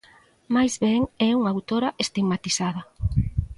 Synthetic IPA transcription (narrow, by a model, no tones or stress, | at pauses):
majzβɛŋɛuŋawt̪oɾɐʔest̪iɡmat̪isaðɐ